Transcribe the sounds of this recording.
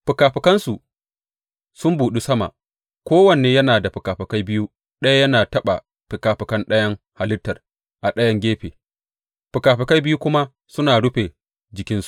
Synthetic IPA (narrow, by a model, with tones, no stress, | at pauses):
ɸɪ˨kaː˨ɸɪ˨kɐ˦nsu˨ʔ | sʊ˦mbuː˨ɗi˦sɐ˦ma̰˨ʔ | kʷoː˦wɐ˨neː˨jɐ˦naː˨da˨ɸɪ˨kaː˨ɸɪ˨ka˦jbɪ˦ju˦ | ɗɐ˦ja˦jɐ˦naː˨tɐ˦ɓa˨ | ɸɪ˨kaː˨ɸɪ˨kɐ˦nɗɐ˦jɐ˦ŋ | ha˨lɪ˦tːɐ˨r | ʔa˨ɗɐ˦jɐ˦ŋɡʲeː˦ɸeː˨ | ɸɪ˨kaː˨ɸɪ˨ka˦jbɪ˦ju˦kʷʊ˦ma˦ | sʊ˦naː˨ɽʊ˦ɸe˨ | d͡ʒɪ˨kʲɪ˦nsu̥˨ʔ